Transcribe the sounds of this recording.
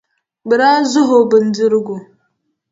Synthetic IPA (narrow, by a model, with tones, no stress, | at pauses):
bə˨ɾa˦zu˦ɦo˨bə˨n˨d͡zə˦ɾɡu˨